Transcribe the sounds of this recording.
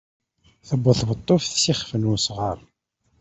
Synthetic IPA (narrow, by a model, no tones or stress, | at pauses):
θəbːəθvət̪ˤːofθsiχfənusʁəɾˤ